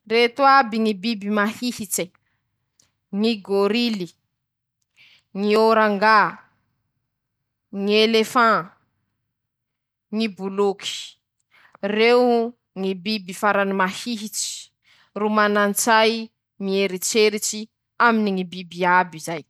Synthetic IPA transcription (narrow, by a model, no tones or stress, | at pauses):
ret̪uabiŋibibimahihit͡se | ŋiɡoɾili | ŋioɾaŋɡa | ŋielefã | ŋibuluki̥ | rew | ŋibibifaɾanimahiɦit͡si̥ | rumanant͡saj | ŋieɾit͡seɾit͡ʃi | aminiŋibibiabizaj